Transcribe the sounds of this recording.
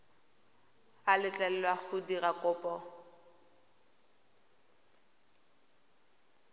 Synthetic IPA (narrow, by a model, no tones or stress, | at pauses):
alɪt͡ɬʼɛlɛlwak͡xʰʊdirakʼʊːpʼɔ